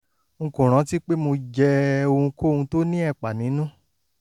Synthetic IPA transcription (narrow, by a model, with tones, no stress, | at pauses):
ŋ̩˧kũ˨ɾ̃ã˨˦ti˦k͡pe˦mo˧d͡ʒɛ˦˧o˧ũ˧ko˦˨ũ˧to˦nĩ˦ɛ˦˨k͡pa˨nĩ˨˦nũ˦